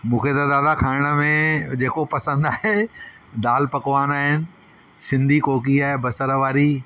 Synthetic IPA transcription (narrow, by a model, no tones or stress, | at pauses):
mũːkʰet̪ɐd̪aːd̪akʰaːɪɽ̃ə̆mẽd͡ʑeːkopɐsə̃nd̪aːɦe | d̪aːlpɐkʋaːnaːɦɪnɪ̆ | sɪ̃nd̪ʱikoːk̬iaːɦebɐsəɾʋaːɾi